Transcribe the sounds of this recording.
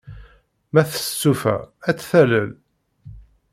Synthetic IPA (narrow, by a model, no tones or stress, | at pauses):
mæθə̥ssːufæ̰æt͡sːθæləl